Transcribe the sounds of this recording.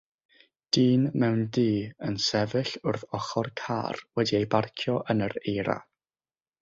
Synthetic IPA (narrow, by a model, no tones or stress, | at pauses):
d̥iːnmɛwndiːənsɛvɨɬʊrθɔχɔrkʰa̰ːrwɛdiejbarkʰjɔʔənəɾejɾa̰